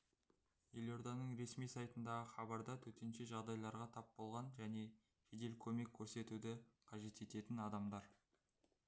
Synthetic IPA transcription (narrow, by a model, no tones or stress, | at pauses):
jelʲo̞ɾd̪ɑnəɴɾe̞smijsɑjt̪ənd̪ɑʁəχɑbɑɾd̪ɑt̪ʰɵt̪e̞nʃeʒɑʁd̪ɑjlˠɑɾʁɑt̪ʰɑpbolˠʁɑnʒæne̞ | ʒed̪e̞lkʲʰɵme̞kʲʰːɵɾse̞t̪ud̪ɪqʰɑʒe̞t̪e̞t̪e̞t̪ɪnɑd̪ɑmd̪ɑɾ